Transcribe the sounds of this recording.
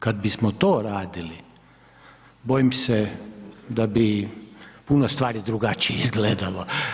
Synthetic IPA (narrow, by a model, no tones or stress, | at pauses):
kad̪̚bismot̪oːɾaːd̪ili | bojimsɛ | d̪abi | punost̪ʋaːɾid̪ɾuɡat͡ʃijeizɡleːd̪alo